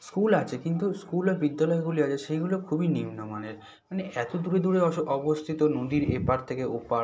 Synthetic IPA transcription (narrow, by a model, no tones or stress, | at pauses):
skulat͡ɕʰekint̪uskuleɾbid̪ːalɔeɡuliat͡ɕʰeʃeɡulokʰubinimnomaneɾ | maneɛt̪od̪uɾed̪uɾeɔʔɔbost̪ʰit̪onod̪iɾḛpaɾt̪ʰekeopa